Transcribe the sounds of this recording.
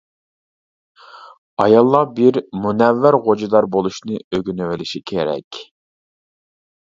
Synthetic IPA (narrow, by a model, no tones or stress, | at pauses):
ɑjɑlˠːɑbiɾmunɛvːæɾʁod͡ʒɨd̪ɑɾbolˠuʃnɨøɡʲynywɪlɪʃikʲʰeɾɛ̰kʲ